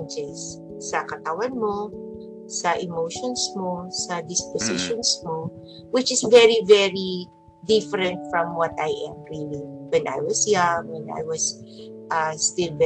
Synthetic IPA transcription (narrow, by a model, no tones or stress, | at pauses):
nd͡ʒɛsː | ɐkɐt̪ɐwanmo̞ | sɐʔɪmowʃɔnsmosɐd̪ɪspɔsɪʃɔnsmo | wɪt͡ʃɪsvɛɹivɛɹi | d̪ɪfɛɾɛ̃nt̪̚fɹɐ̃mwɔt̪ajʔɛ̃mɹiliwɛ̃nʔa̰jwɔsjaŋwɛ̃nʔa̰jwɐsʔast̪ɪlb